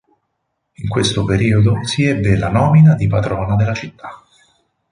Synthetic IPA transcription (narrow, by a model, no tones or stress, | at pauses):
iŋkwest̪opeɾiːod̪osiɛbːelanɔːminad̪ipad̪ɾɔːnad̪elːat͡ʃit̪ːḁ